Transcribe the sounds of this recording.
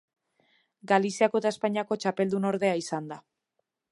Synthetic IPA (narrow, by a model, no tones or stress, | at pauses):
ɡalisiakot̪ae̞spajɲako̞t͡ʃape̞ld̪uno̞ɾðe̞aisand̪a